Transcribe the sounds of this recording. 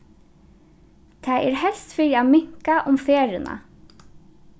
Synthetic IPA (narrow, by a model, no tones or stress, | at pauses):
t̪ʰaːɛːɹhɛlst̪fiːɾiaːmɪŋ̥kaʔʊmfeːɹɪna̰